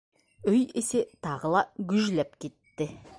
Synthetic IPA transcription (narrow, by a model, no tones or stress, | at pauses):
ʏjeset̪ʰɑʁəlˠɑɡʲʏʒlæp̚kʲʰe̞t̪ːɪ